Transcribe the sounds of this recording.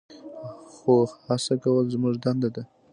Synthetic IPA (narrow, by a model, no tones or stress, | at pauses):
xohasakawəlzmuʐd̪and̪ad̪a